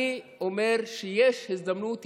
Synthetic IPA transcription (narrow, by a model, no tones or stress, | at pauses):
iʔomeʁʃejeʃhisd̪amnut̪